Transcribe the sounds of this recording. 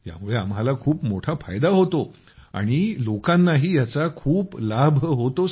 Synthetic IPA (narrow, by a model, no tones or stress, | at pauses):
ja̰muɭeamɦalakʰuːpmoʈʰafajd̪aɦot̪o | a̰ɽ̃ilokãnːaɦiːjat͡sakʰuːplabʱɦot̪o